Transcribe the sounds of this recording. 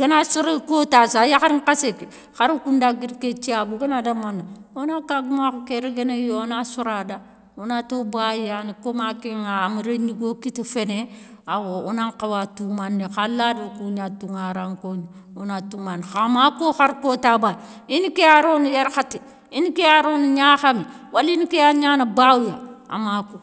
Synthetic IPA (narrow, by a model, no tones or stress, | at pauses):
ɡ̥enasuɾekotasajaxaɾŋkaseki | xaɾkundaɡiɾket͡ʃiabuɡenadamanaonakaɡumakukeɾeɡenejonasuɾada | onatobajanikomakeŋamuɾeɲiɡokitefene | awounaŋkawatumanːixalːadokuɲatuŋaɾaŋkoɲi | onatumanxamakoxaɾkotaba | inikeaɾonijeɾxati | inikeaɾoniɲaxami | walinikeaɲanabawjaa̰mako